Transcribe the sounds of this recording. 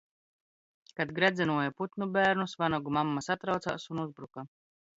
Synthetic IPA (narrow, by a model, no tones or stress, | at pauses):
kad̪ɡɾɛd̪zɛnuɔjaput̪nubæːɾnusvanɔɡumamːasat̪ɾawt̪sa̰ːsunuzbɾuka